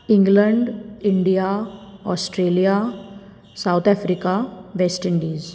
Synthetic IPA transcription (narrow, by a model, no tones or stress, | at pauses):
ɪ̃ŋɡlə̃ɳɖɪɳɖijaɔːsʈɾeːlija | saʊt̪ʰɛːfɾiːkaʋeːsʈɪ̃ɳɖiːz